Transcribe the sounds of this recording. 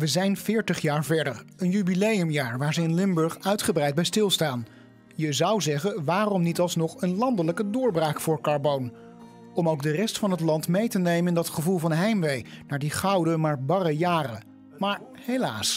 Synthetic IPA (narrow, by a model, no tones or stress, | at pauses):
ʋəzɛjnvɪːɹtəχjaːɹvɛɹdəɹənjybilejəmjaːɹʋaːɹzəɪnlɪmbɵɹχœɥtχəbrɛjd̚bɛjstɪlˠstaːn | jəzɑwzɛχənʋaːrɔmnitɑlˠsnɔχənlɑndələkədʊːɹbraːkfʊːɹkɑɹbown | ɔmowkdərɛstfɑnɦətlɑntmejtənejmənɪndɑtχəvulˠvɑnɦɛjmʋejnaːɹdiχɑwdəmaːɹbɑrəjaːrə | maːɹ | hejla̰ːs